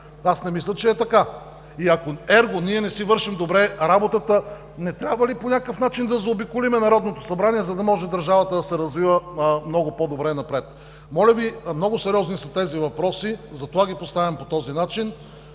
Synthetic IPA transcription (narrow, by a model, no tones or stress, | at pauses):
asnɛmislʲɐt͡ʃɛːt̪ɐka | iɐkoɛɾɡoniɛnɛsivɤɾʃimd̪obɾɛɾabot̪ət̪ə | nɛt̪ɾʲabvəliponʲakəfn̪at͡ʃind̪ɐzɐobikʊlimɛnɐɾɔd̪not̪o̥sɐbɾaniɛzɐd̪ɐmɔʒɛd̪ɐɾʒavɐt̪əd̪ɐsɛɾɐzvivəmnɔɡopod̪obɾɛnɐpɾɛt̪ | mɔlʲɐvimnɔɡʊsɛɾiɔznisɐt̪ɛzivɐpɾɔsizɐt̪ovaɡipost̪avʲɛmpot̪ɔzinat͡ʃin